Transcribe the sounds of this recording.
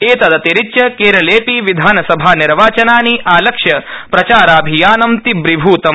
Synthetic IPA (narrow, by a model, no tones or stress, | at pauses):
eːt̪ɐd̪ɐt̪eɾitːt͡ʃɐkeːɾɐleːpiʋid̪ʱaːnɐsɐbʱaːniɾʋaːt͡ʃɐnaːniʔaːlɐkʂjɐpɾɐt͡ʃaːɾaːbʱijaːnɐmt̪ibɾibʱuːt̪ɐ